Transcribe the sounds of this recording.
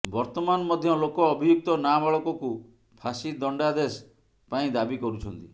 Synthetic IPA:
bɔɾt̪ɔmanɔmɔd̪ʱjɔlokɔːbʱijuk̚t̪ɔnamaɭɔkɔku | pʰasid̪ɔɳɖad̪es | paĩd̪abikɔɾut͡ʃʰɔnt̪i

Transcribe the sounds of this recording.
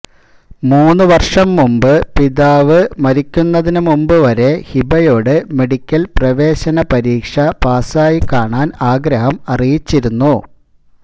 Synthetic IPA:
muːnːɨʋɐrʂɐmːumbɨpiðaːʋɨmɐɾikʲːunːɐðinumumbɨʋɐɾe̞hibɐjo̞ːɽɨme̞ɽikʲːɐlprɐʋe̞ːɕɐnɐpɐɾiːkʂɐpaːsaːjikːaːɳaːnaːɡɾɐhɐmɐrijit͡ɕːiɾunːu

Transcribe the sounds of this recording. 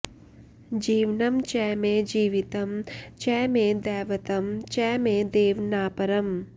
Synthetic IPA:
d͡ʒiːʋnɐmt͡ʃɛːmẽːd͡ʒiːʋit̪ɐmt͡ʃɛːmẽːd̪ɛːʋɐt̪ɐmt͡ʃɛːmẽːd̪eːʋnaːpɐɾɐm

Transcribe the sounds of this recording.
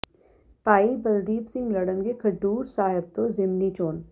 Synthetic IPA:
paːibɐld̪iːpsɪ̃ŋɡlɐɽənkekʰɐɖuːɾsaːɦɪb̚t̪ozɪmnit͡ʃoːn

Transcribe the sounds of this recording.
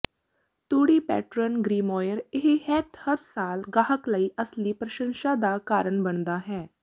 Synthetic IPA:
t̪uːɽiːpɛ̰ːʈɾənɡɾiːmɔːjəɾɪɦhɛːʈhəɾsaːlɡaːɦəkləiːʔəsliːpɾəʃə̃nʃad̪aːkaːɾəɳbənd̪aːɦɛː

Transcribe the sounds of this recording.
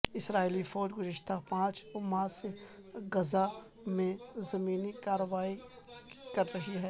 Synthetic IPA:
ɪsɾaːiːlifɔːd͡ʒɡʊzɪʃt̪apãːt͡ʃʊmaːse | ɡɐza | mẽzɐmiːnikaːɾəʋaːi | kɐɾːɐɦiɦɛː

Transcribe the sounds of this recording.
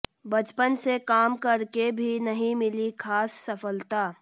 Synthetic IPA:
bɐt͡ʃpənsekaːmkɐɾkebʱinɐɦĩmɪlikʰaːsːɐfəlt̪aː

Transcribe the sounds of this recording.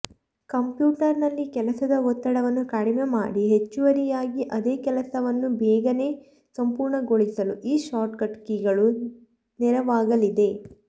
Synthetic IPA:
kɐmpjuːʈɐɾnɐlːikɛlɐsɐd̪ɐɔt̪ːɐɽɐʋɐnːukaːɽimema̰ːɽiɦe̞t͡ʃːuʋɐɾijaːɡiʔɐd̪eːkɛlɐsɐʋɐnːubɛːɡɐne̞ː | sɐmpuːɾɳɐɡo̞ɭisɐluʔiːʃaːɾʈkɐʈkiɡɐɭu | nɛɾɐʋaːɡɐlid̪e̞

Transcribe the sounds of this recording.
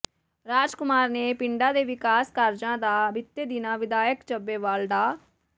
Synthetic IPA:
ɾaːd͡ʒkʊmaːɾneːpɪɳɖaːd̪eːʋɪkaːskəɾd͡ʒãːd̪aːbɪt̪ːeːd̪ɪnãːʋɪd̪aːjəkt͡ʃəbːeːʋaːlɖ̪aː

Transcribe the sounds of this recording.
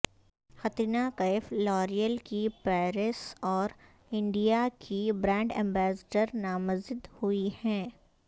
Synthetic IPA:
xɐt̪inakɐɪflɔːɾijəlkipɛːɾɪsɔːɾ | ɪ̃ɳɖijakʰibɾɛ̃ːɳɖɛ̃ːmbɛːsɖəɾnaːməzɪd̪huihɛ̃ː

